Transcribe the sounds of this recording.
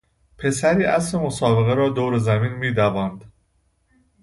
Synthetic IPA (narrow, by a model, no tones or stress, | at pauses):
pʰe̞sæɾiːʔæslemosɒːbe̞ɣeɾɒːd̪oːwɾezæmiːnmiːd̪ævɒːnd̪